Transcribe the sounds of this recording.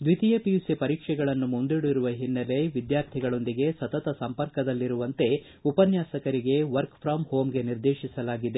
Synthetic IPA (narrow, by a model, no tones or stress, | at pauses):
d̪ʋit̪ijepijusepɐɾiːkʂɛɡɐɭɐnːumund̪iɽuiɾuʋɐɦinːɐle̞ʋid̪jaːɾt̪ʰiɡɐɭo̞nd̪iɡe̞sɐt̪ɐt̪ɐsɐmpɐɾkɐd̪ɐlːiɾuʋɐnt̪e̞ | upɐnjaːsɐkɐɾiɡe̞ʋɐɾkpʰɾaːmho̞ːmɡe̞niɾd̪eːʃisɐlaːɡid̪e